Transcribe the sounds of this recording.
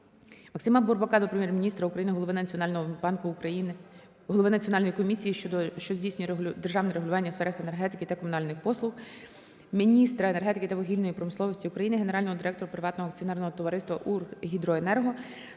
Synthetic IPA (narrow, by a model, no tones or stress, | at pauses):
mɐksɪmɐburbɐkɑd̪ɔpɾemʲjɛrmʲinʲist̪ɾɐukɾɐjinɪɦɔlˠɔʋɪnʲnɦɔbɑnkʊɐi | ɦɔlˠɔʋɪnɐt͡sʲijɔnɑlʲnɔjikɔmʲisʲijiʃd̪ɔʃt͡ʃɔzʲdʲijsnʲʊjd̪erʒɑwnɛɾeɦʊlʲʊʋɑnʲːɐsfɛɾɐxenerɦɛt̪ɪkɪt̪ɐkɔmʊnɑlʲnɪxpɔslˠʊx | mʲinʲist̪ɾɐene̞rɦɛt̪ɪkɪt̪ɐʋɔɦʲilʲnɔjipɾɔmɪsˠɔʋɔsʲtʲiukɾɐjinɪɦene̞ɾɑlʲnɔɦɔd̪ɪɾɛk̚t̪ɔɾʊpɾɪʋɑt̪nɔɦɔɐk̚t͡sʲiɔnɛrnɔɦɔt̪ɔʋɐɾɪst̪ʋɐʔurɦʲid̪ɾɔenɛrɦɔ